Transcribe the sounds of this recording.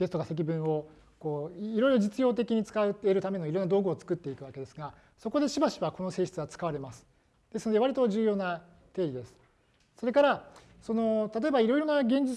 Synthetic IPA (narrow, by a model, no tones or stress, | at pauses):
ɡ̪̥e̞sɨ̥t̪okase̞k̬ʲibɯ̟̃ɰ̃o̞ | ko̞ːiɾo̞iɾo̞d͡ʑit͡sɨjo̞ːt̪̬e̞kʲiɲ̟it͡sɨ̥kaɯeɾɯ̟t̪ame̞no̞iɾo̞nːad̪o̞ːɡɯot͡sɨ̥kɯt̪ːe̞ikɯ̟βake̞d̪e̞sɨɡa | soko̞d̪e̞ɕibaɕiβako̞no̞se̞ːɕi̥t͡sɨβat͡sɨ̥kaβaɾe̞masɨ̥ | d̪̥e̞sɨno̞d̪e̞aɾʲit̪o̞ʑɨːjo̞ːna | t̪e̞ːɾʲid̪e̞sɨ̥ | so̞ɾe̞kaɾa | so̞no̞t̪at̪̬o̞ebaiɾo̞iɾo̞naɡẽ̞ɲ̟d͡ʑi